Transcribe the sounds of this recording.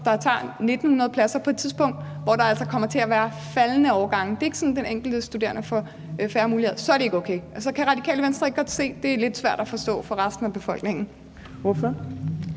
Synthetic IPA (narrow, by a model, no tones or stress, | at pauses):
d̥ɑ̈t͡sʰɑ̰̈ːne̝d̥n̩hunɐð̞̩ˠpʰlæsɐpʰɒ̽e̝d̥t͡sʰiðˠsb̥ɔ̽ŋ̰d̥ | ʋɒɾɑ̈æl̰sɒkʰɒ̽m̰ɐt͡sʰe̝æʋæːɐ | fælnəɒʊɡ̥ɑ̈ŋ̰n̩d̥e̝e̝ɡ̥sɒ̽n̩d̥eneŋ̰ɡ̥l̩d̥əsd̥ud̥e̝̰ɐnəfɒ̽ | fæːɐmuːliheðˠɐsɒ̽æɐɾee̝ɡ̥oʊkʰeɪʔsɒ̽kʰæʁɑ̈d̥ikʰɛ̰ːləʋensd̥ʁɐe̝ɡ̥̚ɡɒ̽d̥se̝̰ːd̥e̝æɐled̥sʋæɐ̰d̥æfɒ̽sd̥ɔ̰̽ːfɒ̽ʁɑsd̥n̩æb̥e̝fɒ̽l̰ɡ̥ne̝ŋ̰n̩ | ʋɔfɒ